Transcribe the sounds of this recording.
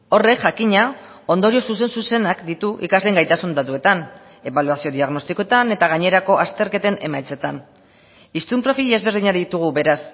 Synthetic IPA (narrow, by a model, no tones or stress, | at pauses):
o̞re̞kʝakiɲa | o̞nd̪o̞ɾio̞suse̞nsuse̞nakd̪it̪uʔḭkazleːŋɡajt̪asund̪at̪ue̞t̪an | e̞βaluasio̞ðiaɣno̞st̪ikot̪ane̞t̪aɣ̞aɲe̞ɾako̞ʔast̪e̞ɾke̞t̪e̞ne̞majt͡se̞t̪an | ist̪umpɾo̞fie̞zβe̞ɾðiɲaðit̪uɣ̞uβe̞ɾas